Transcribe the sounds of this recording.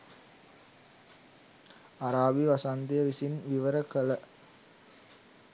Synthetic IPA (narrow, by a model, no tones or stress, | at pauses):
aɾaːbiʋasand̪ijəʋisinʋiʋəɾəkələ